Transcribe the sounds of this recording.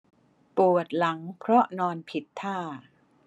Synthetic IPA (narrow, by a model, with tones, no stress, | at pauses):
pu˨˩ət̪̚la˩˦ŋpʰɾɔ˦˥nɔː˧npʰi˨˩t̪ʰːaː˥˩